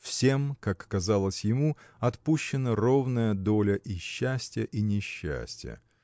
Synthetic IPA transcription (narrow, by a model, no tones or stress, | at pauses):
fsʲemkakːɐzalˠəsʲjɪmuɐt̪puɕːɪnəro̞vnəjəd̪o̞lʲəʔiɕːæsʲtʲɪjəʔinʲɪɕːæ̰sʲtʲɪjə̰